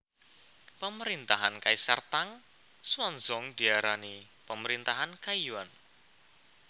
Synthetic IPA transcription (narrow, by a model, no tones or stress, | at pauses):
pəməɾint̪aɦankaisərt̪aŋ | suanzɔŋd̪̥iaɾani | pəməɾint̪aɦankaiwan